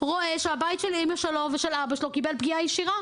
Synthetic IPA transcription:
ʁo̞e̞ʃeabajitʃelimaʃeloveʃelabaʃelokibelbɡiajeʃiʁa

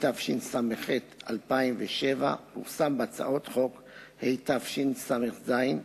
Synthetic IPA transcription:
t̪afʃinsameχet̪a̰lpaimveʃeva̰muχsambeat͡sa̰ʔo̞t̪χo̞k | hejt̪afʃinsameχzajin

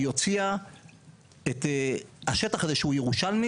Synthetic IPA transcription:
jo̞t͡sia | et̪ehaʃe̞taχazeʃehujeʁuʃalni

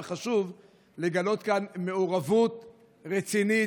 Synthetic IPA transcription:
χaʃuv | le̞ɡalo̞t̪kanme̞uʁavut̪ | ʁet͡sini

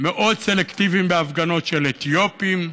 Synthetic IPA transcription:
meʔo̞dselekt̪ivimbeafɡano̞t̪ʃelet̪ijo̞pim

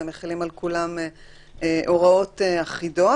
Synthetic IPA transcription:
neχilimalkulam | eʔo̞ʁao̞t̪eaχido̞

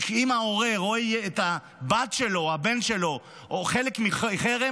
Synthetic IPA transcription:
kimaoʁeʁoijeːta | bat̪ʃelo̞habe̞nʃelo̞ | ʔoχelekmiiχeʁe

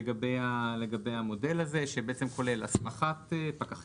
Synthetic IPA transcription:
ɡabejaleɡabe̞jhamo̞de̞laze̞ʃebeet͡se̞mkʰo̞le̞la̰smaχatepakaχ

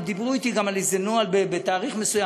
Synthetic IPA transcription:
d̪ibʁuit̪iɡamalizenoalbebet̪aːʁiχme̞suja

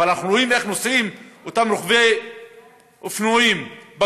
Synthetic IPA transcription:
alnaχnuɾoimeχnosimot̪amɾoχvej | ofnoimba

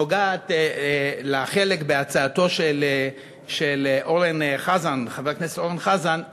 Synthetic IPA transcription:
oɡaːt | laχelekbeat͡saːto̞ʃel | ʃelʔoʁenχazanχaveʁknese̥t̪oʁenχazan

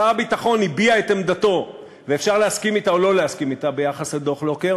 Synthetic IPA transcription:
aabitaχo̞nibiaet̪emd̪at̪o̞ | ve̞efʃaʁleaskimit̪aolo̞leaskimit̪abe̞jaχasled̪o̞χlo̞keʁ

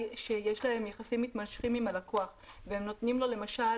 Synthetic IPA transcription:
ʃe̞je̞ʃlae̞mjaχasimːit̪manʃχimimalako̞aχvehemno̞t̪nimlo̞le̞maʃa

